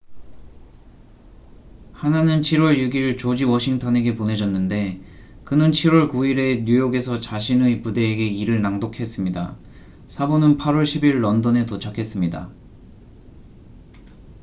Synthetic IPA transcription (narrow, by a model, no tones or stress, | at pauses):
hananɯnt͡ɕʰiɾwʌɭjuɡiɭt͡ɕod͡ʑiwʌɕʰiŋtʰʌne̞ɡe̞pone̞d͡ʑʌnːɯnde̞ | kɯnɯnt͡ɕʰiɾwʌɭkuiɾe̞ɲujoɡe̞sʰʌt͡ɕaɕʰinɯipude̞ːɡe̞iɾɯɭnaŋdokʰe̞s͈ɯmɲida | sʰabonɯnpʰaɾwʌɭɕʰibiɭːʌndʌne̞tot͡ɕʰakʰe̞s͈ɯmɲida̰